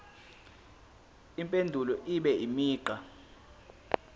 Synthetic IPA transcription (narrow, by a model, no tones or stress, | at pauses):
impʼendʱulɔʔiɓɛimiːǃʱa